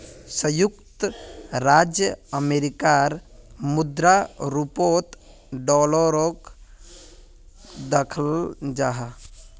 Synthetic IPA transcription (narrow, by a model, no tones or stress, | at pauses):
səjukt̪ɾad͡ʒjəəmeɾikaɾmud̪ɾaɾupot̪ | ɖɔləɾok | d̪əkʰəld͡ʒaɦa